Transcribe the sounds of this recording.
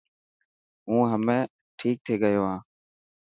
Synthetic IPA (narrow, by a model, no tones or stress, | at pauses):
ũːɦəmẽː | ʈʰiːk̚t̪ʰeːɠəjoːɦãː